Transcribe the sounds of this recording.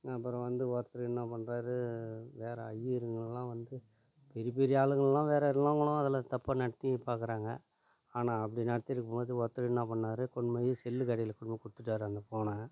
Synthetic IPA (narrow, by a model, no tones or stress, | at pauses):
ɐpːɯɾɔ̃ʋɐnd̪ɯʋoːɾt̪ɐɾɯɪnːãːpɐɳːɾaːɾɯʋeːɾɐɐjiɾɯŋɡɐɭɛlãːʋɐnd̪ɯ | pɛɾɪp̬ɛɾɪjaːɭɯŋɡɐɭɛlːãːʋeːɾɐɪlːaːŋɡɐɭʊ̃ɐðɐlɐt̪ɐpːanɐɽɐt̪ːipaːɾkɯɾaːŋɡɐ̰ | aːnãːɐp̬ːɐɽinɐɽɐt̪ːɪɾɯkːɐmboːðɯʋoːɾt̪ːɯɾɯɪnːãːpɐɳːaːɾɯkɔɳmɐjɯsɛlːɯkɐɽɐjɪlɐkːʊɳmɐkʊɽɯt̪ːɯʈːaːɾɯɐnd̪ɐpoːnãː